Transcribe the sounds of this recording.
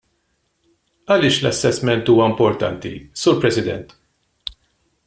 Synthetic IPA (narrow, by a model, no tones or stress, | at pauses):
ɐlɪːʃlɐsːɛsmɛnt̪uːwɐɪmpɔɾt̪ɐ̰nt̪ḭsuːɾpɾɛsɪd̪ɛ̰nt̪